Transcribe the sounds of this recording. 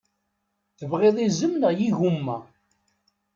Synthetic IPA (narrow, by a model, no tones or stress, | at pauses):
θəvʁeðˤizəmnəʁjiʝumːæ